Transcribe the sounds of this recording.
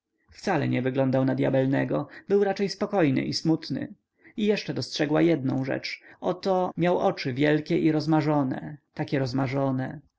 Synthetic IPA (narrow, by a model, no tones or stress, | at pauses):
ft̪salɛɲɛvɘɡlɔnd̪awnad̪ʲja̰bɛlnɛɡɔbɘwɾat͡ʂɛjspɔkɔjnɘ̰ʔismut̪nɘ̰ | ijɛʂt͡ʂɛd̪ɔstʂɛɡwajɛd̪̚nɔ̃w̃ʐɛ̰t͡ʂɔt̪ɔmʲjawʔɔt͡ʂɘvʲjɛlkʲɛʔiɾɔzmaʐɔnɛ̰t̪akʲɛɾɔzmaʐɔnɛ